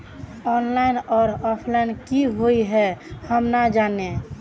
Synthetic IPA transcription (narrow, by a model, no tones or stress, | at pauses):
ɔnlajnɔːɾɔpʰlajnkiɦojɦɛhəmnad͡ʒane